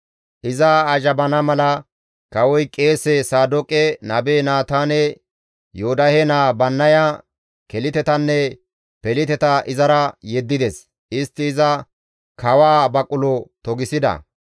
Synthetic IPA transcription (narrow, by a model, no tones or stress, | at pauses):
ʔɪzɐːʒɐbɐnɐmɐlɐ | kɐwɔjkʼe̞ːsɛsaːd̪ɔkʼɛnɐbeːnaːt̪aːnɛ | joːd̪ɐhɛnaːbɐnːɐja | kɛlɪt̪ɛt̪ɐnːɛ | pɛlɪt̪ɛt̪ɐʔɪzɐɾɐjɛd̪ːɪd̪ɛs | ʔɪst̪ːɪːzɐ | kʰɐwaːbɐkʼːʊlɔt̪ɔɡɪsɪd̪ɐ̰